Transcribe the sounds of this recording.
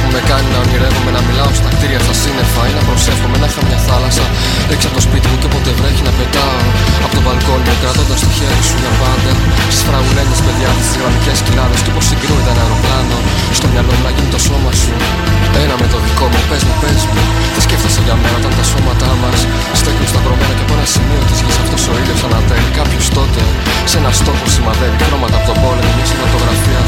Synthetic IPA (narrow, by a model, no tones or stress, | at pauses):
umekɐninɐmiɾe̞vume̞nɐmilɐost̪ɐkt̪iɾiʝɐst̪ɐsinefɐinɐpɾo̞se̞xumenɐfɐmɲɐθɐlɐsɐ | ekisɐpot̪o̞spit̪imut̪epo̞t̪evɾeçinɐpe̞t̪ɐ | ɐpo̞t̪ovɐlko̞niokɾɐt̪o̞nd̪ɐst̪oçeɾisunɐvɐd̪ɐst̪i̥spɾɐɣule̞zmɐspe̞ðʝɐst̪isisilɐnice̞scinɐðesteoposiɡɾunit̪ɐnɐɾoplɐnɐ | st̪o̞mɲɐlo̞mnɐʝinit̪o̞so̞mɐsu | e̞nɐme̞t̪o̞niko̞mupe̞zmupe̞zmu | θescefθist̪ɐʝɐme̞nɐot̪ɐnt̪ɐso̞mɐt̪ɐmɐs | st̪ocinost̪ɐpɾo̞menɐceponɐsimio̞t̪izʝisɐft̪o̞so̞iðjosɐnɐt̪eɾikɐpçost̪o̞t̪e̞o | senɐst̪o̞posimɐðenixɾo̞mɐt̪ɐpot̪omo̞nomoisifɐt̪o̞ɣɾɐfiɐ